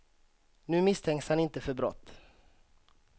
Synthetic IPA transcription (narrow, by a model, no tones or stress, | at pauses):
nʉ̟ːmɪst̪ʰɛŋkshanɪnt̪əfœɾbɾɔ̰t̪ː